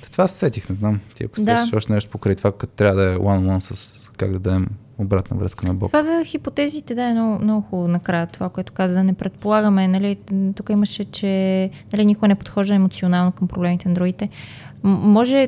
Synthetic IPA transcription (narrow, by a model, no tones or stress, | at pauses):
ɐ̥t̪ovassɛt̪ixnɛznamt̪iɐ̰ko̥saʃɔʃt̪ɛnɛʃt̪o̥pokɾajt̪ovakɐt̪o̥t̪ɾavəd̪ɐɛwanlˠansəska̰ɡd̪ɐd̪ɐd̪ɛm | obɾat̪nə̰vɾə̰skənɐbɔ̰vazɐxipot̪ɛzit̪ɛd̪aɛnɔnɔxonɐkɾajət̪ovakoɛt̪ʊ̥kazəd̪ɐnɛpɾɛt̪̚polˠaɣəmɛnɐlit̪ukəiməʃɛt͡ʃɛnɐlinʲikoɡənɛpot̪xɔʒd̪əɛmot̪sionalˠnokɐmpɾoblɛmit̪ɛnd̪ɾuɡit̪ɛ | mɔʒɛ